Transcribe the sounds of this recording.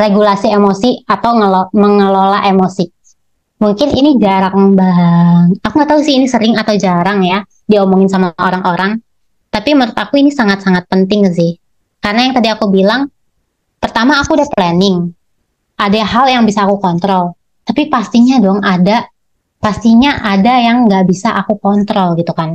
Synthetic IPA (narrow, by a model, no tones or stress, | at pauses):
reɡulasiemosiat̪awŋəloməŋəlolaʔemosi | muŋkɪnḭnid͡ʒaɾaŋbaŋakuŋɡat̪aɦusɪhinisəɾɪŋat̪awd͡ʒaɾaŋja | diaumoŋɪnsamaoɾaŋʔoɾaŋ | t̪apiməɾʊt̪akuinisaŋat̪saŋat̪̚pənt̪ɪŋks̬ɪh | kaɾənajaŋt̪adiakubilaŋ | pərt̪amaːkudaplanɪŋ | ʔadaɦaljaŋbisaːkukɔnt̪ɾɔl | t̪apipast̪iɲadɔŋada | past̪iɲaʔadajaŋɡaʔbisaʔakukɔnt̪ɾɔlɡit̪ukan